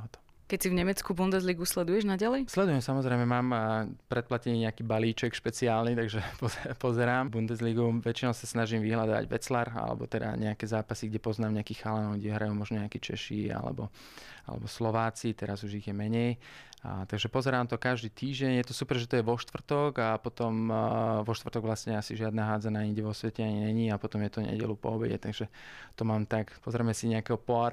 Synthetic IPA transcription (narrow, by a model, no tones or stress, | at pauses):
ɦɔt̪ɔ̥ | kɛcsivɲɛmɛt͡skubund̪ɛzliɡuslɛd̪ujɛʒnaɟalɛjslɛd̪ujɛmsamɔzɾɛjmɛmaːmpɾɛt̪̚placɛɲiːɲɛakiːbaliːt͡ʃɛkʃpɛt͡siaːlnit̪aɡʒɛpɔɛpɔzɛɾaːmbund̪ɛzliɡuʋɛt͡ʃinɔʊsasnaʒiːmʋiɦlad̪ɔʋa̰ɟʋɛ̰t͡slaɾa̰lɛ̰bɔ̰t̪ɛd̪a̰ɲɛakɛzaːpasiɡɟɛpɔznaːmɲɛakiːxalanɔɡɟɛɦɾajuːmɔʒnɔɲɛakit͡ʃɛ̰ʃḭa̰lɛ̰bɔ̰ | a̰lɛ̰bɔslɔʋaːt͡sit̪ɛɾazuʒiɣjɛmɛɲɛj | t̪aɡʒɛpɔzɛɾaːmt̪ɔkaʒd̪iːt̪iːʒɟɛɲjɛt̪ɔsupɾʒɛt̪ɔjɛʋɔʃt̪ʋr̩t̪ɔɡapɔt̪ɔmʋɔʃt̪ʋr̩t̪ɔɡʋlasɲɛasiʒɪad̪naɦaːd͡zanaːiŋɡɟɛʋɔsʋɛcɛaɲiɲɛɲiːapɔt̪ɔmjɛt̪ɔɲɛ̰ɟɛ̰lupɔ̰ɔbɛɟɛ̰t̪aɡʒɛt̪ɔmaːmt̪akpɔzɾɛmɛsiɲɛakɛɦɔpɔa